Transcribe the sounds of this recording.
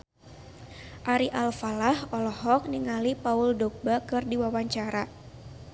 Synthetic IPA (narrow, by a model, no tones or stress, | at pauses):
ʔaɾiʔalfalahɔlɔhɔk̚niŋalipaʊldɔk̚bakɨrdiwawaɲt͡ʃaɾa